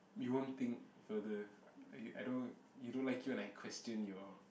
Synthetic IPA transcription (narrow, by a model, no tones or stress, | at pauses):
juwõnt̪ĩŋkfəd̪əjuʔa̰jdõn | judõnlajkjuɛ̃najkʰwɛstə̃njua